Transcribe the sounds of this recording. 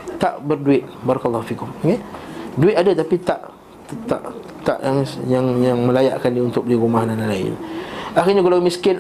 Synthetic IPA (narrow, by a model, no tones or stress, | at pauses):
t̪aʔbərduɪt̪̚baɾɑkəlˠˤːɔhfikʊmmanduɪt̪̚adət̪apit̪aʔ̪ | t̪a̰ʔ | t̪a̰ʔjaŋjaŋjaŋmə̃laja̰ʔkandiunt̪ʊk̚bəliɾumahdanalaɪ̰naxirɲakalamiskɪn